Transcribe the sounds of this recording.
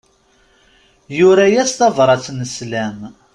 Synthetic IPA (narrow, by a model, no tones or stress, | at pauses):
jʊɾæjæst̪ɑvɾˤɑt͡sːnəslæm